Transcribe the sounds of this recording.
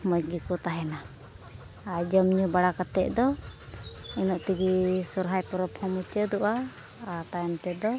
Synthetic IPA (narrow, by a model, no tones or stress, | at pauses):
mɔɡikɔt̪aɦɛna | ad͡ʒɔmɲubaɽakat̪ɛʔ̚d̪ɔ | inɔʔt̪iɡisɔɾɦajpɔɾɔpʰɔmut͡ʃəd̪ɔʔaː | t̪ajɔnt̪ɛd̪ɔ